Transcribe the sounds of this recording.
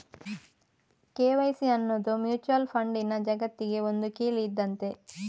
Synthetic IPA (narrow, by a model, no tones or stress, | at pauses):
keːʋɐjsiɐnːod̪umjuːt͡ʃuɐlpʰɐɳɖinːɐd͡ʒɐɡɐt̪ːiɡeond̪ukiːliːd̪ːɐnt̪e